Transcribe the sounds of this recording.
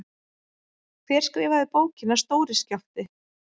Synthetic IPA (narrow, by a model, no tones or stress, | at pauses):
kʰvɛɾ̥skɾɛjvaðɪpoːwcɪnːast̪oːwɾɪscaft̪ɪ